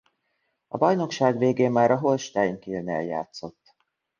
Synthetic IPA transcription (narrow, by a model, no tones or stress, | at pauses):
ɒ̰bɒjno̞kʃaːɡveːɡeːmːaːɾɒɦo̞lʃt̪aːjŋkiønɛ̰lja̰ːt̪so̞t̪ː